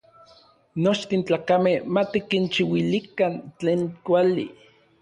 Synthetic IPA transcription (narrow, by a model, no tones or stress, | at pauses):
not͡ʃt̪int͡ɬaːkamehmat̪ikint͡ʃiwilikant͡ɬeːnkʷalḭ